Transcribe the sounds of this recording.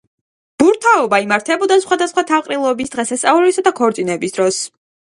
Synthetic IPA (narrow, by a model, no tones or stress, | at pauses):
b̥uɾt̪ʰaɔbaimaɾt̪ʰɛbɔd̪asχwad̪asχwat̪ʰalqʼɾilˠɔbisd̪ʁɛsɛsʼauɾisad̪akʰɔɾt̪sʼinɛbisd̪ɾɔs